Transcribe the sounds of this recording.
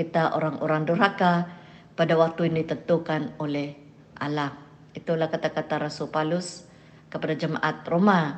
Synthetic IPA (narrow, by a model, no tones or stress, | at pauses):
it̪aʔo̰ɾaŋʔo̰ɾaŋdurɦaka | padawak̚t̪uiandit̪ənt̪ukanolɛh | ʔa̰lam | it̪ulahkat̪akat̪aɾasulpalʊs | kəpadad͡ʒəmaʔat̪̚roma